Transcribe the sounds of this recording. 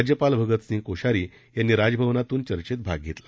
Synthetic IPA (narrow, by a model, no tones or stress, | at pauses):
d͡ʑjəpalbʱəɡət̪sĩŋkoɕaɾiː | janːiːɾad͡zəbʱəʋnat̪uːnt͡ɕəɾt͡ɕet̪̚bʱaɡ̚ɡʱet̪la